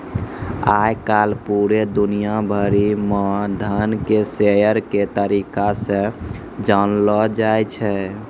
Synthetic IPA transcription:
ajkalpuɾed̪unijabʱəɾimɔd̪ʱənkesejəɾket̪əɾikasẽ | d͡ʒanlɔd͡ʒajt͡ʃʰɛ

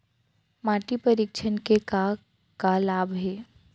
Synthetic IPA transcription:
maːʈipəɾɪkʃʰənkeka | kalaːbʱɦɛː

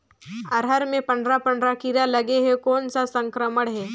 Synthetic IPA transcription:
əɾɦəɾmepəɳɖɾapəɳɖɾakiɾaləɡeɦekont͡sasəŋkɾəməɽɦe

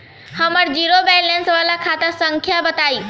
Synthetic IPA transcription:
həməɽd͡ʑiːɾobeːlensʋalakʰaːt̪asə̃ŋkʰjabət̪aːiː

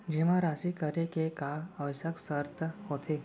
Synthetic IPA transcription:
d͡ʑeʋ̤ãɾasikəɾekekaəʋsəksəɾt̪əɦot̪ʰe

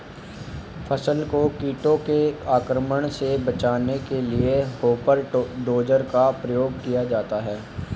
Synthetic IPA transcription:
fʰəsəlkokiːʈõkeaːkɾəməɽ̃sebɐt͡ʃaːnekelieɦoːpəɾɖoːd͡ʒəɾkapɾɐjoːɡkijad͡ʒaːt̪aɦɛː

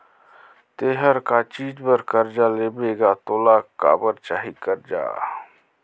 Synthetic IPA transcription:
t̪eːɦəɾkat͡ʃiːd͡ʒbəɾkəɾd͡ʒaːleːbeːɡat̪oːlaːkːa̰ːbəɾt͡ʃaːɦikəɾd͡ʒa̰ː

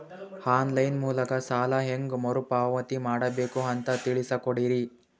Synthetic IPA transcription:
haːnlɐjnmuːlɐkɐsaːlɐɦeŋɡmɐɾupaːʋɐt̪imaːɽɐbeːkuɐnt̪ɐt̪iɭisɐkoɽiɾi

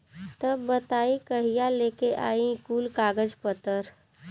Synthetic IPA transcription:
t̪ɐbːət̪aːikəɦijaleːkeʔa̰ːĩkuːlkaːɡəd͡ʒpət̪əɾ

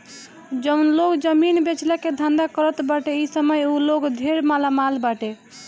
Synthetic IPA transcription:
d͡ʒənlokd͡ʒəminbet͡ʃlaked̪ʱə̃nd̪akəɾət̪baʈeisəməjuloɡd̪ʱeɾmalamalbaʈe

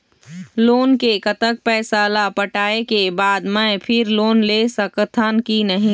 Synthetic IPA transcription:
loːnkekət̪ək̚pɛːsalapəʈaːekebaːd̪mɛ̃pʰɪɾloːnlesəkt̪ʰankinəɦĩ

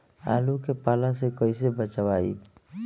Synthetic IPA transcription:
a̰ːlukepaːlasekəɪsebət͡ʃʋaːḭ

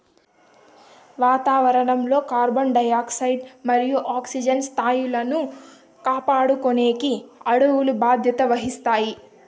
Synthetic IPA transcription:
ʋaːt̪aːʋɐɾɐɳɐmlo̞ːkaːɾbonɖɐjaːksɐjɖmɐɾijuʔaːksid͡ʒɐnst̪ʰaːjulɐnu | kaːpaːɽukone̞ːkiɐɽuwulubaːd̪ʱjɐt̪ɐʋɐɦist̪aːji

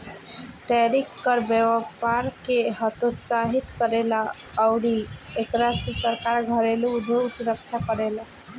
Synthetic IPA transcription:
ʈɛɾikːəɾbeʋpaɾkeɦət̪osaɦit̪kəɾela | əʊɽiekɾasesəɾkaɾɡʱəɾeluud̪ʱosuɾəkt͡ʃʰakəɾela

